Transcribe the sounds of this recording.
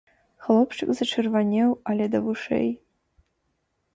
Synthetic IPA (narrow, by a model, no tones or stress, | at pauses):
xlˠopʂɨkʼzɐʈ͡ʂʰɨrvanʲewalʲed̪ɐvuʂḛj